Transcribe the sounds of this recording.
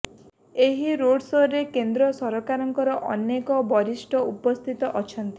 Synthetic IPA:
eɦiɾoɽsoɾːekend̪ɾɔsɔɾɔkaɾɔŋkɔɾɔʔɔnekɔbɔɾisʈʰɔupɔst̪ʰit̪ɔʔɔt͡ʃʰɔnt̪i̥

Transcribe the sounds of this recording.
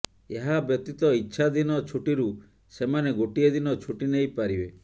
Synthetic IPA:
eɦabjɔt̪it̪ɔitːʃʰad̪inɔt͡ʃʰuʈiɾu | semaneɡoʈied̪inɔt͡ʃʰuʈinejpaɾibe

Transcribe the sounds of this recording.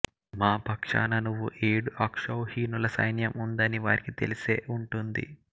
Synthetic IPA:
maːpɐkʂa̰ːnɐnuʋːṵʔeːɽuʔɐkʂɐwhiːnulɐsɐ̰jnjɐmund̪ɐniʋaːɾikit̪e̞̰lise̞ːʔuɳʈund̪ḭ

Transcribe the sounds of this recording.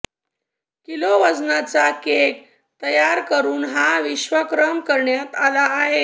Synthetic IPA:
kiloʋəd͡znat͡sakek̚ | t̪əjaɾkəɾuːnɦaʋiɕʋəkɾəmkəɾɳjat̪alaːɦe

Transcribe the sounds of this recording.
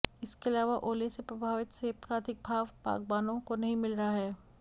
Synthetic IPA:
ɪskeɐlaːʋaʔoːlesepɾɐbʱaːʋɪt̪seːpkaɐd̪ʱɪk̚bʱaːʋpa̰ːk̚baːnõkonɐɦĩmɪlɾɐɦaɦɛː

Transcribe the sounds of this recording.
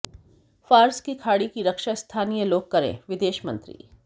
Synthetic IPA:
faːɾskikʰaːɽikiɾɐkʃast̪ʰaːnijəloːɡ̚kɐɾḛ̃ːʋɪd̪eːʃmɐ̰̃nt̪ɾḭː

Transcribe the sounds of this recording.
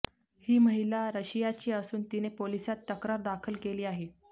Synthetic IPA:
hiːməɦilaɾəɕijat͡ɕiːəsuːnt̪inepolisat̪ːəkɾaɾd̪akʰəlkeliːaɦe

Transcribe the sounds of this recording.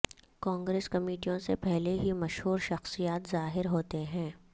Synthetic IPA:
kãːŋɡɾeːskɐmiːʈijõsepɛɦleɦimɐʃɦuːɾʃɐxsijaːt̪zaːɦɪɾɦoːt̪eɦɛ̃ː

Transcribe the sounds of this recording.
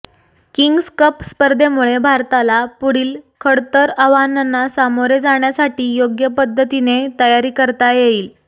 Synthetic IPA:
kiŋɡskəpspəɾd̪ʱemuɭebʱaɾt̪alapuɽiːlkʰəɽt̪əɾəʋananːasamoɾed͡zaɳ̃jasaʈiːjoɡjəpəd̪ʱːət̪inet̪əjaɾiːkəɾt̪ajeiːl

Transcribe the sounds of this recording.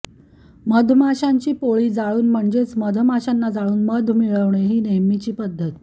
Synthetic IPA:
məd̪ʱmaɕaɲt͡ɕiːpoɭiːd͡zaɭuːnm̤əɳd͡ʑet͡sməd̪ʱmaɕanːad͡zaɭuːnməd̪ʱmiɭəʋɳeɦiːneɦmit͡ɕiːpəd̪ʱːət̪

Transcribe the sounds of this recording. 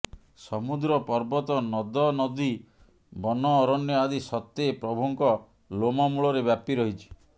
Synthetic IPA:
sɔmud̪ɾɔpɔɾbɔt̪ɔnɔd̪ɔnɔd̪i | bɔnɔːɾɔnjɔad̪isɔt̪ːeːpɾɔbʱuŋkɔ | lomɔmuɭɔɾebjapiɾɔɦit͡ʃʰi̥

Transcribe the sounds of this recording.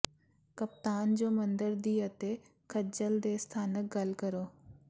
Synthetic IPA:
kəp̚t̪aːnd͡ʑoːmɐ̃nd̪əɾd̪iːət̪e | kʰɐd͡ʒəld̪eːst̪ʰaːnək̚ɡɐlkəɾoː

